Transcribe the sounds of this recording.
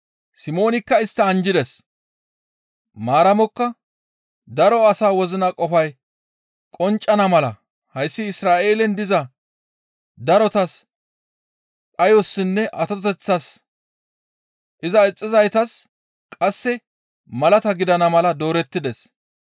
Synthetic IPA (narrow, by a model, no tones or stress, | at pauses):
sɪmo̞ːnɪkːɐɪst̪ːɐɐnd͡ʒɪd̪ɛs | maːɾɐmɔkːɐ | d̪ɐɾɔɐsaːwɔzɪnɐkʼɔfɐj | kʼɔnt͡ʃʼːɐnɐmɐlɐ | hɐjsːɪɪsɾaːʔe̞ːlɛnd̪ɪzɐ | d̪ɐɾɔt̪ɐs | kʼɐjɔsːɪnːɛʔɐt̪ɔt̪ɛt͡sːɐs | ʔɪzɐɛt͡sʼːɪzɐjt̪ɐs | kʼɐsːɛ | mɐlɐt̪ɐɡɪd̪ɐnɐmɐlɐd̪o̞ːɾɛt̪ːɪd̪ɛs